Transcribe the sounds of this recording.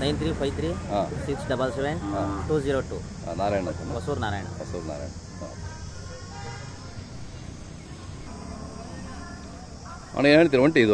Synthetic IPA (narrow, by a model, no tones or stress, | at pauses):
nɐjnt̪ɾiːpʰɐjt̪ɾiɦasiksɖɐbɐlseʋeɳɖɦaːʈuːziːɾoːʈṵː | a̰naːɾaːjɳɐt̪ɐnakɐsuːɾnaːɾaːjɳɐ̰ɐsuːɾna̰ːɾa̰jɳɐ | o̰ | ɐ̰neːnaːɳit̪̬iɾʋɐɳʈiid̪u